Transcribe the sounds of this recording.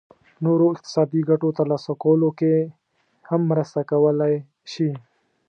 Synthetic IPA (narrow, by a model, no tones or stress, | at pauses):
noɾoɪq̚t̪ɪ̥sɑd̪iɡaʈot̪alɑsakawəloke | hamːɾəst̪akawəlaj | ʃi